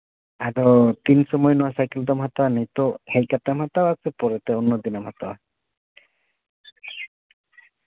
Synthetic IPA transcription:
aɾɔt̪insɔmɔjnɔwasajkeld̪ɔmɦat̪awnejt̪ɔhejkat̪amɦat̪awasɛpɔɾɛt̪ɛɔnːɔd̪inɔmɦat̪aw

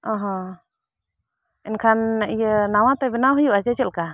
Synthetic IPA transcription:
ɔ̃ɦɔ̃ | ɛnkʰanɛʔijənawat̪ɛbɛnawɦujuʔat͡ʃɛt͡ʃɛlka

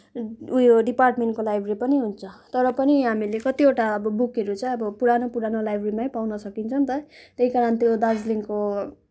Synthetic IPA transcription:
ujoɖiparʈmeɳʈkolajbʱripʌniɦunt͡sʰʌt̪ʌɾʌpʌniɦamilekʌt̪ioʈaʌbʌbukeɾut͡sʌ̃ʌbʌpuɾanopuɾanolajbʱrimajpawnʌsʌkint͡sʰʌnt̪ʌt̪eɦikaɾʌnt̪jod̪ad͡zliŋko

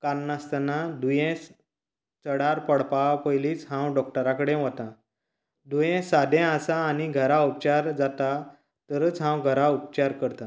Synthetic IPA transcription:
kaɾnast̪anad̪ujɛ̃s | t͡səɽaɾpəɽpapəjliːt͡sɦãwɖɔk̚ʈəɾakəɽẽʋət̪ã | d̪ujɛ̃sad̪ɛ̃əsaːñiɡʱəɾaup̚t͡ɕaɾd͡zat̪a | t̪əɾət͡sɦãwɡʱəɾaup̚t͡ɕaɾkəɾt̪a

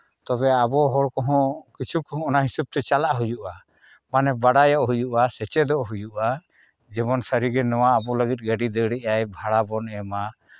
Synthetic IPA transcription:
t̪ɔbɛabɔɦɔɽkɔɦɔ̃kit͡ʃʰukɔɦɔ̃ːnaɦisub̚t̪ɛt͡ʃalaʔɦujuʔa | manɛbaɖajɔʔɦujuʔasɛt͡ʃɛd̪ɔʔɦujuʔa | d͡ʒɛmɔnsəɾiɡɛnɔwaːbɔləɡit̪̚ˀɡəɖid̪əɽɛʔajbʱaɽabɔnɛma

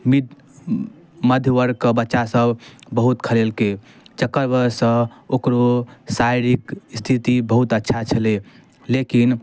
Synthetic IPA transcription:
mid̪ | məd̪ʱjəʋəɾkəbətːʃasəbbəɦut̪kʰəlelke | t͡ʃəkːəɾbəsə̃okɾosaiɾikst̪ʰit̪ibəɦut̪ətːʃʰat͡ʃʰəle | lekin

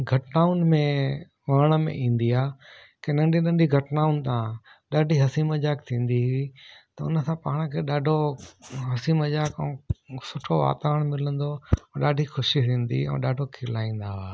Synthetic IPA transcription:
ɡʱɐʈnaːʊnmẽ | ʋɐɾɽ̃ə̆mḛ̃ʔĩːn̆d̪iaː | kenɐ̃ɳɖʱinɐ̃ɳɖiɡʱɐʈnaːʊnt̪ãː | ɗaːɖʱiɦɐsimɐd͡ʒaːk̚t̪ʰĩːn̆d̪iɦit̪ɐʊnəsãpaːɽ̃əkʰeːɗaːɖʱoɦɐsiməʄaːkɛ̃sʊʈʰoʋa̰ːt̪aəɽ̃mɪlə̃nd̪õɗaːɖʱixʊʃiɦĩːn̆d̪ḭɛ̰̃ːɗaːɖʱokʰɪlaːĩːn̆d̪aaː

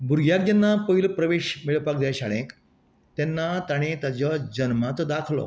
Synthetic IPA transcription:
bʱuɾɡʱjak̚d͡ʑ̪anːapəɦilpɾəʋeɕmiɭəpak̚d̪aɕaɽẽk | t̪ɛnːat̪aɽ̃et̪ad͡ʑɔd͡ʑənmat͡sd̪akʰlɔ̰

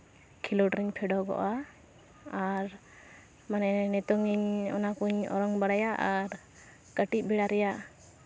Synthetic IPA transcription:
kʰilɔʈɾiɲpʰɛɖɔɡɔ̰ʔa | aɾ | manɛnɛt̪ɔŋiɲɔ̰nakuɲɔ̰ɾɔŋbaɽajaʔaɾ | kəʈit̪̚bɛɽaɾɛjaʔ

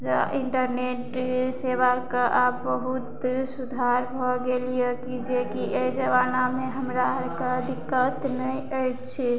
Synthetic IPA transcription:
d͡ʒiɳʈəɾneʈseβakeʔabəɦut̪sud̪ʱaɾbʱɔɡelijekid͡ʒekiʔejd͡ʒəβanameɦəmɾaɾkaəd̪ikːət̪nəjəjtt͡ʃʰi

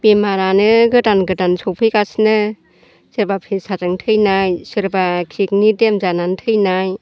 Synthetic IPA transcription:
bemaɾanɯɡɯdanɡɯdansɔwpʰɯjkasnɯ | sɯɾbapʰesazɯŋtʰɯjnajsɯɾbakʰik̚nidemzanantʰɯjnaj

